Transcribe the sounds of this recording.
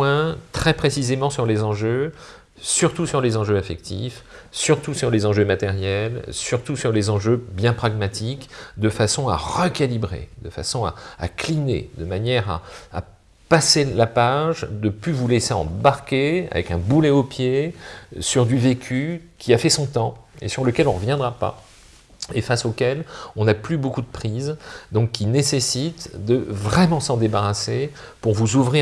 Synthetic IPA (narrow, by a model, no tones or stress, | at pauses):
wɛ̃t̪χɛpχesizemɑ̃syʁlezɑ̃ʒø | syʁt̪usyʁlezɑ̃ʒøafɛk̚t̪ḭfsyʁt̪usyʁlezɑ̃ʒømat̪ɛʁjɛlsyʁt̪usyʁlezɑ̃ʒøbjɛ̃pχaɡmat̪ʰikd̪əfasɔ̃a̰ʁəkalibʁḛd̪əfa̰sɔ̃a̰ːklinḛd̪əmanjɛʁa̰ː | paselapaʒd̪əpyvuleseɑ̰̃baʁkʲea̰vɛ̰kɛ̃bulɛopje | syʁd̪yvekʲʰykʲʰiafɛsɔ̃t̪ɑ̃ḛsyʁləkʲɛlɔ̃ʁəvjɛ̃d̪ʁapa̰ | efasokʲɛlɔ̃naplybokud̪əpχizd̪ɔ̃kːinesesit̪d̪əvʁɛmɑ̃sɑ̃d̪ebaʁasepuʁvuzuvʁi